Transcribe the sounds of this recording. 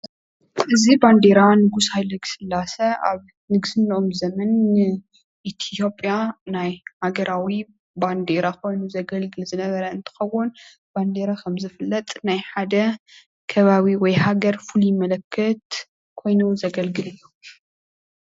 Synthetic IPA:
ʔɨziband̪eɾanɨɡushajlɐɡɨ̥sɨlːasɐʔa̰β | nɨɡsɨnːʔomzɐmɐnːɨ | ʔit̪ʰt̪ʰjo̞pʼːjanajhaɡɐɾawi | band̪eɾakʰo̞jnuzɐɡɐlɡɨlzɨnɐβɐɾɐɨnt̪ʰɨ̥xɐwːʊn | b̥and̪e̞ɾakʰɐmzɨfɨlːɐt̪ʼnajħad̪ɐ | kʰɐβaβiwɔjhaɡɐɾfulujɪmɐlɐkʰːɐt̪ | kʰo̞jnuzɐɡɐlɡɨlɨjːu

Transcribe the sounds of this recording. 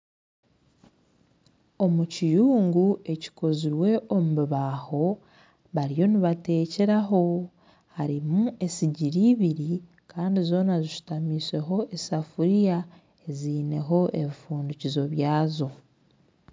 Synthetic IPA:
o̞mucijuːŋɡue̞ci̥ko̞ziɾwe̞ʔo̞muβiβaːho̞ | βaɾijo̞niβate̞ːce̞ɾaɦo̞ | haɾimue̞siɟiɾiːβiɾi | kaːndizo̞ːnaziʃu̥tamise̞ɦo̞ʔesafuɾija | e̞ziːne̞ɦo̞ʔeβifuːnducizo̞βjaːzo̞

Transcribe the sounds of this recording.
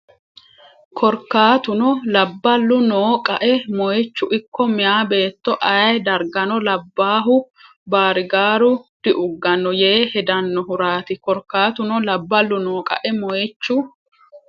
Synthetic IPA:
kʰɔɾkːaːt̪ʊnɔlɐbːɐlːʊnoːkʼɐʔɛmɔjt͡ʃːʊʔɪkːɔmɪjaːbe̞ːt̪ːɔʔɐjd̪ɐɾɡɐnɔlɐbːaːɦʊ | baːɾɪɡaːɾʊd̪̥ɪʔʊɡːɐnːɔje̞ːhɛd̪ɐnːɔɦʊɾaːt̪ɪkɔɾkːaːt̪ʊnɔlɐbːɐlːʊnoːkʼɐ̰ʔɛmɔjt͡ʃːʊ

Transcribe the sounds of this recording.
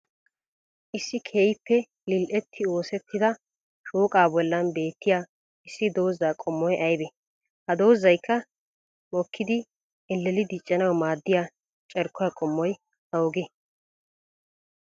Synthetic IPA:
ʔɪsːɪkʰeːjɪpːɛ | lɪlʔɛt̪ʰːɪoːsɛt̪ʰːɪd̪ɐ | ʃuːkʼaːbɔlːɐnbe̞ːt̪ːɪjaː | ɪsːɪd̪o̞ːzːaːkʼɔmːɔjʔɐjbɛ | hɐd̪o̞ːzːɐjkʰːɐ | mɔkːɪd̪ɪ | ɛlːɛlɪd̪ɪt͡ʃʼːɐnɐwmaːd̪ːɪjaː | t͡ʃʼɛɾkʰːɔjɐkʼɔmːɔj | ɐwɔɡɛ

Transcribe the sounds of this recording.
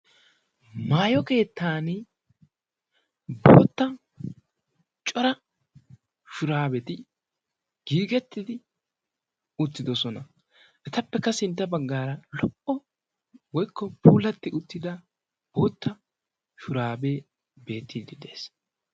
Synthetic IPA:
maːjɔke̞ːt̪ːaːn | bo̞̰ːt̪ːɐ | t͡ʃʼɔɾɐ | ʃʊɾaːbɛt̪ɪ | ɡ̥iːɡɛt̪ːɪd̪ɪ | ʊt̪ːɪd̪ɔsɔnɐ | ʔɛt̪ɐpːɛkːɐsɪnt̪ːɐbɐɡːaːɾɐlɔʔɔ | wɔjkʰːɔpʰuːlɐt̪ːɪʔʊt̪ːɪd̪ɐ | b̥o̞ːt̪ːɐ | ʃʊɾaːbe̞ː | be̞ːt̪ːiːd̪ɪd̪e̞ːs

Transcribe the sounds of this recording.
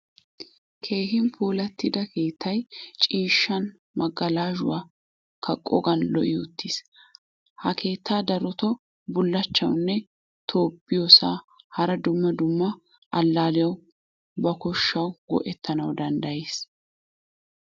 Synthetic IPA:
kʰe̞ːɦɪmpʰuːlɐt̪ːɪd̪ɐkʰe̞ːt̪ʰːɐjt͡ʃʼiːʃːɐn | mɐɡːɐlaːʒʊ̰waː | kʰɐkʼːɔ̰ɡɐnlɔʔɪʊt̪ːis | hɐkʰe̞ːt̪ːaːd̪ɐɾɔt̪ɔ | bʊlːɐt͡ʃːɐwnːɛ | t̪ʰoːpːɪjosa̰ːhɐɾɐd̪ʊmːɐd̪ʊmːɐ | ʔɐlːaːlɪjɐw | bɐkɔʃːɐwɡɔ̰ʔɛt̪ʰːɐnɐwd̪ɐnd̪ɐjeːs

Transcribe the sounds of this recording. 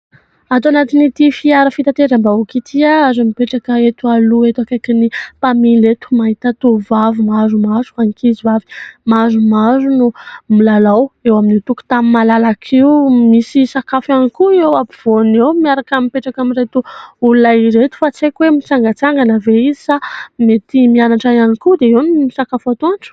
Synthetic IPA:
at̪uanat̪init̪ifiaɾəfit̪at̪eɾambaukit̪ʰiaazamipeʈ͡ʂakəet̪ualuet̪akakinipamilet̪u̥maɦit̪at̪ovavumazumazuanikizivavi̥mazumazunumilalawewaminit̪uku̥t̪amimalalakʰiumisisakafanikuewapiv̥onewmiaɾakamipeʈ͡ʂakamiɾet̪uulunaiɾet̪u̥fat͡sekwemit͡saŋɡət͡saŋɡanəveizi̥samet̪imianaʈ͡ʂajanikud̪eiwnisakafat̪oʈ͡ʂə̥

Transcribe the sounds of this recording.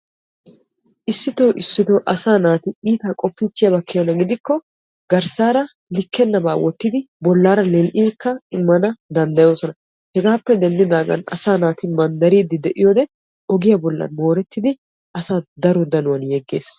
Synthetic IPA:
ʔɪsːɪt̪oːʔɪsːɪt̪oːʔɐsaːnaːt̪ɪiːt̪aːkʼɔpːit͡ʃːɪjɐbɐkːɪjɔnɐɡɪd̪ɪkːɔ | ɡɐɾsaːɾɐ | lɪkːɛnːɐbaːwɔt̪ːɪd̪ɪ | bɔlːaːɾɐlɛlʔiːkːɐɪmːɐnɐd̪ɐnd̪ɐjo̞ːsɔnɐ | hɛɡaːpːɛd̪ɛnd̪ɪd̪aːɡɐ̰nɐ̰saːnaːt̪ɪmɐnd̪ɐɾiːd̪ɪd̪ɛʔɪjoːd̪ɛ | ɔɡɪjabɔlːɐ̰nmo̞ːɾɛt̪ːɪd̪ɪ | ʔɐsaːd̪ɐɾɔd̪ɐnʊwɐnjɛɡːe̞̰ːs

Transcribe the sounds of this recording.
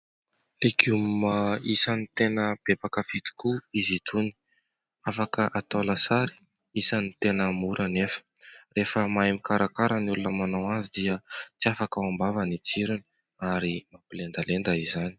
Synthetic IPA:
lekummaisanit̪enəb̥ebakəfit̪i̥kuizit̪ʰuni̥ | afakəʔat̪olasaɾi̥ | isanit̪enəmuɾʔanefə̥refəmajmikaɾakaɾənulunəmanawazid̪iət͡siafakaambavanit͡siɾuni | aɾimapilend̪alend̪aizani̥

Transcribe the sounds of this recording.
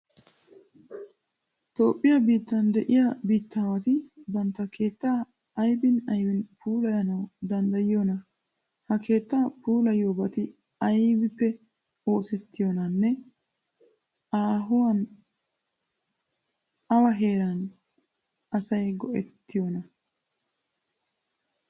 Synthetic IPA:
t̪o̞ːpʼːɪjɐbiːt̪ːɐnd̪ɛʔɪjɐbiːt̪ːaːwɐt̪ɪbɐnt̪ːɐkʰeːt̪ːaː | ɐjbɪnɐjbɪnpʰuːlɐjɐnɐwd̪ɐnd̪ɐjɪjonɐ | hɐkʰe̞ːt̪ːaːpuːlɐjoːbɐt̪ɪ | ɐjbɪpːɛ | o̞ːsɛt̪ːɪjonɐnːɛ | ʔaːɦʊwɐn | ɐwɐɦe̞ːɾɐn | ʔɐsɐjɡɔʔɛ̰t̪ːɪjonɐ

